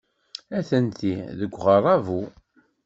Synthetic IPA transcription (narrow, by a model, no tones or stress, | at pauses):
æθənt̪iðəɡʷːʁərˤɑvu